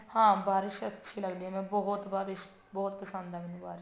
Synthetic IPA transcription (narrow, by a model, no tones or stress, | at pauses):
hãːbaːɾɪʃətːʃʰiːləɡd̪iːɛːmɛ̃ːbɔɦʊt̪baːɾɪʃ | bɔːt̪̚pəsə̃nd̪aːʋɪnũːbaːɾɪ